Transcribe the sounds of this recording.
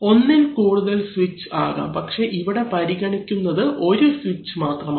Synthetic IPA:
o̞nːinkuːɽuðɐlsʋit͡ɕːɨaːɣa̰ːmpɐkʂe̞ʔiʋiɽe̞pɐɾiɣɐɳikʲːunːɐðɨʔo̞ɾusʋit͡ɕːɨmaːt̪rɐmː

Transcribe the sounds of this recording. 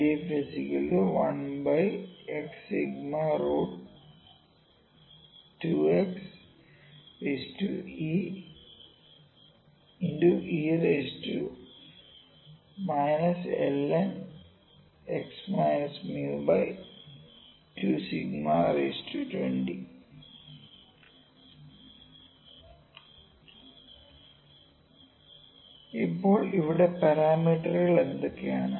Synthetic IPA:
eːfisikɐluʋɐ̃nbajeksːiɡmaɾoːɖ | ʈuːeks | ɾesʈṵiː | iɳɖuʔiːɾesʈu | maɪnɐsḛlen | eksmɐjnɐsmjuːbɐj | tuːsiɡmaːrestuːtwḛɳɖi | ipːo̞ːɭiʋiɽepɐɾaːmiːʈːɐrɐɭe̞nd̪okːejaːɳɨ

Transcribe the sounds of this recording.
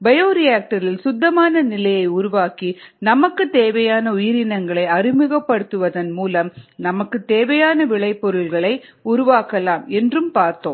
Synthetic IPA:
bɐjoːɾɪjaːk̚ʈɐɾɪlsʊd̪ːɐmaːnɐnɪlɐjɐɪʊɾʊʋaːkinɐmɐkːɯt̪eːʋɐjaːnɐʊjɪɾɪnɐŋɡɐɭɐɪɐrɪmɯɣɐpːɐɽɯt̪ːɯʋɐðɐnmuːlɐmnɐmɐkːɯt̪eːʋɐjaːnɐʋɪɭɐɪpːɔɾɯlɣɐɭɐɪʊɾʊʋaːkɐlaːmɛndrɯmpaːɾt̪oːm

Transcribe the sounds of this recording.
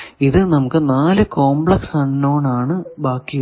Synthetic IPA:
iðɨnɐmukːɨnaːlɨko̞ːmbɭɐksɐnːoːɳaːɳɨbaːkːi

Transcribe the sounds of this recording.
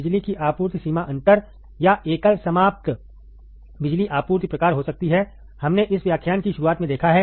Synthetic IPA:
ɪd͡ʒlikiʔaːpuːɾt̪siːmaʔɐ̃ɳʈəɾ | jaʔeːkəlsɐmaːp̚t̪ | bɪd͡ʒliʔaːpuːɾt̪pɾɐkaːɾɦosɐk̚t̪iɦɛ | hɐmneʔɪsʋjaːkʰjaːnkiʃʊɾuaːt̪mẽd̪eːkʰaɦɛː

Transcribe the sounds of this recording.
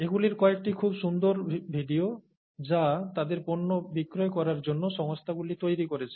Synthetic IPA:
eɡuliɾkɔek̚ʈikʰubʃund̪oɾbʱiɖio | d͡ʑat̪ad̪eɾponːobikɾoekɔɾaɾd͡ʑonːoʃɔŋst̪ʰaɡulit̪ojɾikoɾet͡ɕʰe̥

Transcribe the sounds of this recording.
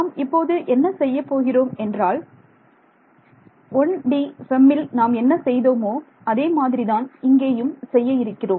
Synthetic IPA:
naːmɪpːoːðɯʔɛnːɐsɛjːɐpːoːɣɪroːmɛndraːl | ɔɳɖisɛmːɪlnaːmɛnːɐsɛjðoːmoː | ɐðeːmaːðɪɾiðaːnɪŋɡeːjɯmsɛjːɐɪɾɯkːɪroːm

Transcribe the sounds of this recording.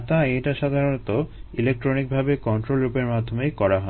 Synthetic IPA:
t̪aejʈaʃad̪ʱaɾonot̪oilek̚ʈɾonik̚bʱabekɔnʈɾolɾupeɾmad̪ʱːomejkɔɾaɦɔ

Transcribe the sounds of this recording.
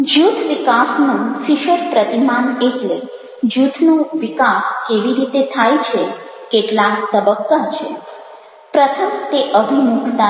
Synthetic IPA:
d͡ʒut̪ʰʋikasnũʃiʃəɾpɾət̪imaneʈle | d͡ʒut̪ʰnũʋikaskeʋiɾit̪et̪ʰajt͡ʃʰe | keʈlakt̪əbəkːat͡ʃʰe | pɾət̪ʰəmt̪eʔəbʱimukʰt̪a

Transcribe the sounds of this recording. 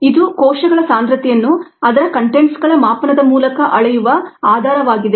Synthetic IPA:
id̪ukɔːʃɐɡɐɭɐsaːnd̪ɾɐt̪ɛjɐnːuɐd̪ɐɾɐkɐɳʈeɳʈsɡɐɭɐmaːpɐnɐd̪ɐmuːlɐkɐʔɐɭɐjuʋɐaːd̪ʱaːɾɐʋaːɡid̪e

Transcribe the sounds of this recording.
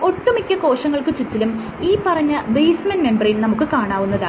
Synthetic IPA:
o̞ʈːumikʲːɐko̞ːʂɐŋːɐɭkɨt͡ɕut͡ɕːilum | iːpɐrɐɲːɐbejsmɐnme̞mbɐrilnɐmukːɨkaːɳaːʋunːɐðaː

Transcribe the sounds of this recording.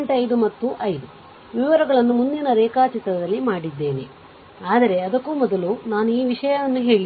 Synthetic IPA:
ɳʈɐjd̪umɐt̪ːuʔɐjd̪u | ʋiʋɐɾɐɡɐɭɐnːumund̪inɐɾɛːkaːt͡ʃit̪ɾɐd̪ɐlːimaːɽid̪ːe̞ːnḛ | aːd̪ɐɾe̞ɐd̪ɐkːuːmɔd̪ɐlunaːnuiːʋiʂɐjɐʋɐnːuɦe̞ːɭi

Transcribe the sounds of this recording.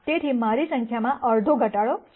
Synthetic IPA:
t̪eʈ̪ʰimaɾisə̃ŋkʰjamãʔəɾd̪ʱoɡʱəʈaɭo

